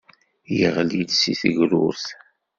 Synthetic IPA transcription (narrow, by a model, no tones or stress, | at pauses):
jəʁlid̪siθəʝɾṵɾθ